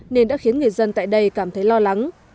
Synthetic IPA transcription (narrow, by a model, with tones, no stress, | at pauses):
ne˧nɗa̰˧˥xi˨˦ənŋɨ˨˩əjzə˧nt̪a̰ː˧˨jɗə˧jkaː˧˩mt̪ʰə˨˦jlɔ˧la˨˦ŋ